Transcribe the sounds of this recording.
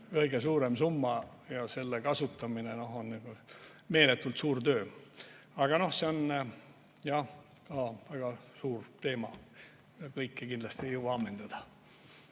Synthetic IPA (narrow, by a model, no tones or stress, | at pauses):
kɤjɡ̥e̞suːɾe̞msumːɑ | jɑse̞lːekɑsut̪ːˑɑmineno̞honniɡ̥u | me̞ːle̞t̪ːˑult̪suːrt̪ø̞ː | ɑɡ̥ɑno̞hse̞o̞n | jɑ | kɑːvæɡ̥ɑsuːrt̪e̞ːmɑ̥ | ɑkɤjkːekind̪lɑst̪iejowbɑɑmːe̞nd̪̥ɑd̪̥ɑ